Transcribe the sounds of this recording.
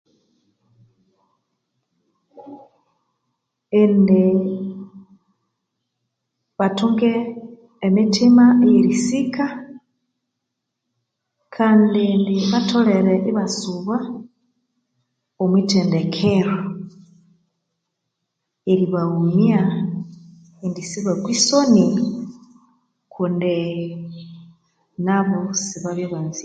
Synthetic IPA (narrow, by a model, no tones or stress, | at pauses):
inde | βatuŋɡeː | mitʰimaejeɾisika | kʰaːndindiβatʰoleɾeʔiβasuβa | omwitʰendekʰeɾo | eɾiβaumja | indisiβwakwisoni | kʰundi | naβosiβaβjoβanzi